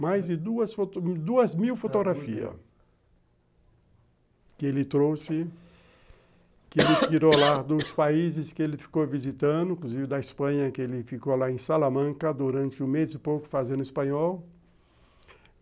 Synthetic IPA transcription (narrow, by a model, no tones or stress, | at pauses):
majzd͡ʒɪd̪uɐsfot̪d̪uɐzmiwfot̪oɡɾafiɐ̰ | kɪelɪt̪ɾowsɪ | kɪelɪkiɾolad̪ʊspaizɪskɪelɪfi̥kowvizit̪ɐ̃d̪ʊĩkluzivɪd̪ɐɪspɐ̃ɲɐkɪelɪfikolaẽsalamɐ̃kɐd̪uɾɐ̃nt͡ʃɪũmezɪpowkʊ̥fazẽnd̪ʊispɐ̃ɲɔw